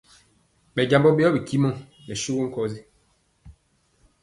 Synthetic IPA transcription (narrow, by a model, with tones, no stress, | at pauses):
ɓɛ˨ɟa˨mbɔ˦be˦ɔ˦bi˨ki˦mɔ˦˨nɛ˨ʃu˦ɡo˦ŋ̩˦kɔ˦zi˦